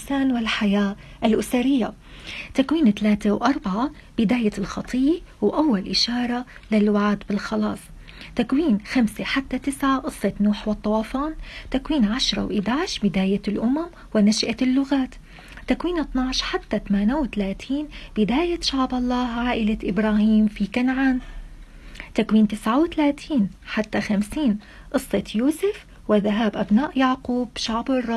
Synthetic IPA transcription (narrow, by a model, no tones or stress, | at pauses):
saːnwɪlħajaːʔɪlʔʊsaɾɪjːa | t̪akwiːnt̪alaːt̪ewʔɑɾˤbaʕa | b̥ɪd̪aːjalxɑt̪ˤʰiːjwʔawːalʔɪʃɑːɾˤɑ | lɪlwaʕaːd̪bɪlxɑlɑːsˤ | t̪akwiːnxamseħat̪ːat̪ɪsʕaʔɨsˤːɑt̪nuːħwɨt̪ˤːɑwɑːfɑːnt̪akwiːnʕaʃɾˤɑ̰wʔɪd̪aʕɪʃbɪd̪aːjalʔʊmam | wɪnaʃʔalːʊɣaːt̪ː | akwiːnʔɨt̪ˤnɑʕʃħat̪ːat̪amaːnawɪt̪alaːt̪ʰiːnb̥ɪd̪aːjaʃaʕbʔɑlˤːɑːɦʕaːʔɪlaʔɪbɾˤaːhiːmfikanʕaːn | t̪akwiːnt̪ɪsʕawt̪alaːt̪ʰiːnħat̪ːaxamsiːn | ʔɨsˤːɑt̪juːsɪf | wɪðaɦaːbʔabnaːʔjaʕquːbʃaʕbɪrˤːɑ